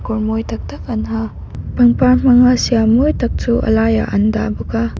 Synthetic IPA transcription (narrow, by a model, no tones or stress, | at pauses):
koɾmojtʰɐk̚tɐkɐnɦa | pɐŋpaɾm̥ɐŋasijamojtʰɐk̚suʔɐ̰laja̰ʔɐndabuka